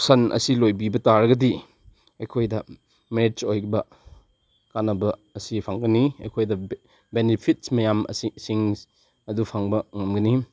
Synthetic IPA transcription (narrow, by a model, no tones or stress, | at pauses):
sɐnʔɐ̰silojbibɐtaɾɐɡɐdi | ɐjkʰojdɐ | meɾet͡ʃojbɐ | kanɐbɐːsipʰaŋɡɐniɐjkʰojdɐ | benipʰit̚smɐjamɐ̰sisiŋ | ɐdupʰaŋbɐŋɐmɡɐni